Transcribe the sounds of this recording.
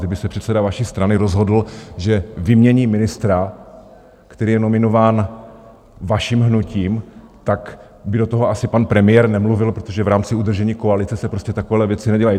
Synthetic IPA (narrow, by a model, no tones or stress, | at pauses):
dɪbɪsɛpr̝̥ɛt̪sɛdavaʃiːst̪ɾanɪɾo̞zɦo̞dl̩ʒɛvɪmɲɛɲiːmɪnɪst̪ɾa | kt̪ɛɾiːjɛno̞mɪno̞vaːn | vaʃiːmɦnuciːmt̪ak | bɪdo̞t̪oɦo̞asɪpanpɾɛmɪjɛɾnɛmluvɪlpɾo̞t̪oʒɛvɾaːmt͡sɪud̪r̩ʒɛɲiːkoalɪt͡sɛsɛpɾo̞scɛt̪akovɛːlɛvjɛt͡sɪnɛɟɛlaji